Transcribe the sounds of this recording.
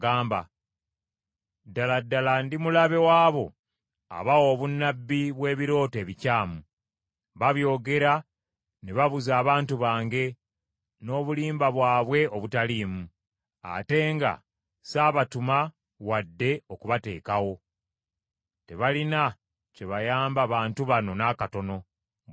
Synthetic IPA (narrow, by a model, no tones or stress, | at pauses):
ɡaːmba̰ | dːaladːalandimulaβe̞waːβo̞ | a̰βawo̞ːβunːabːiβwe̞ːβiɾo̞ːte̞ːβicaːmu | βaβjo̞ːɡe̞ɾa | neβaβuzaːβaːntuβaːŋɡe̞ | no̞ːβuliːmbaβwaːβwe̞o̞βutaliːmu | a̰te̞ːŋɡa̰ | saːβatuma | wadːe̞okuβate̞̰ːkawo̞ | te̞βalina | ce̞βajaːmbaβaːntuβano̞nakato̞no̞